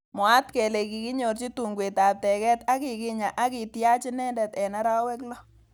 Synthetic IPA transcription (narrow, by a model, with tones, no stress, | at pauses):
mwa˦tkɛ˨le˨ki˨kɪ˦ɲo˨ɾt͡ʃi˦tu˨ŋɡwe˨ta˨p̚tɛ˨kɛ˦ta˦kɪ˨kɪ˨ɲa˨ʔa˦kɪ˨tja˦t͡ʃɪ˦nɛ˦ndɛ˨tɛ˨na˦ɾa˦wɛ˦klɔ˦